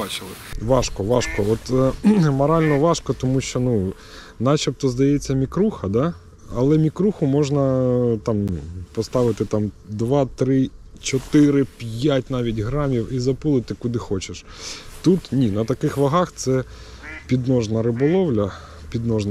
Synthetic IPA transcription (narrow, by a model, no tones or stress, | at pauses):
t͡ʃɪlˠɪʋɑʃkɔʋɑʃkɔɔt̪mɐɾɑlʲnɔʋɑʃkɔt̪ɔmuʃt͡ʃɔnu | nɑt͡ʃɐp̚t̪ɔzd̪ɐjɛt͡sʲːɐmʲikɾuxɐd̪ɑ | ɐlˠɛmʲikɾuxʊmɔʒnɐt̪ɑmpɔst̪ɑʋɪt̪ɪt̪ɑmd̪ʋɑt̪ɾɪt͡ʃɔt̪ɪɾɪpʲjjatʲnɑʋʲitʲɦɾɑmʲiwizɐpulˠɪt̪ɪkʊd̪ɪxɔt͡ʃeʃ | t̪ut̪nʲinɐt̪ɐkɪxʋɐɦɑxt̪sɛ | pʲid̪nɔʒnɐɾɪbɔlˠɔwlʲɐ | pʲid̪nɔʒnɐ